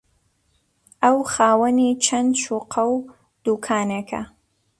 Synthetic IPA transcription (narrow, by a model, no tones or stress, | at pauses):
ʔɐwxaːwɐnit͡ʃʰɐnd̪ʃuːqʰɐw | d̪̥ukʰaːnekʰɐ̰